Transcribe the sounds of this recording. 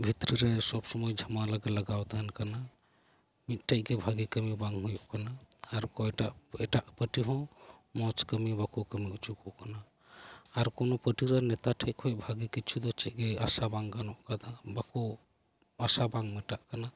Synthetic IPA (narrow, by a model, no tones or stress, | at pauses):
bʱit̪ɾiɾɛsɔbsɔmɔjd͡ʒʱamalaɡɛlaɡawt̪aɦankana | mit̪̚ˀʈʰɛc̚ˀɡɛbʱaɡikəmibaŋɦujuʔkanaːɾkɔjʈaʔɛʈaʔpəʈiɦɔ̃mɔt͡ʃkəmibakukəmiut͡ʃukuʔkanaː | ɾkɔnɔpəʈiɾanɛt̪aʈʰɛc̚kʰɔj̚bʱaɡikit͡ʃʰud̪ɔt͡ʃɛc̚ɡɛasabaŋɡanɔʔkaabaku | asabaŋmɛʈaʔkana